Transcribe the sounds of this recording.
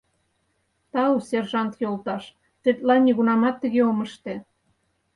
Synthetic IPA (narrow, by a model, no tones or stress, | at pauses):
t̪ɑuserʒɑnt̪jolˠt̪ɑʃ | t̪et̪lɑnʲːiɣunɑmɑt̪ːəɣeoməʃt̪e